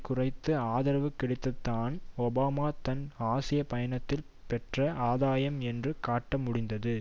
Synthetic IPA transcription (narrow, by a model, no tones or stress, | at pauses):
kʊrɐɪt̪ːɯaːðɐɾɐʋɯkːɪɽɪt̪ːɐt̪ːaːnɔbaːmaːt̪ɐnaːsɪjɐpɐjɐnɐt̪ːɪl | pɛʈrɐʔaːðaːjɐmɛndrɯkaːʈːɐmʊɽɪnd̪ɐðɯ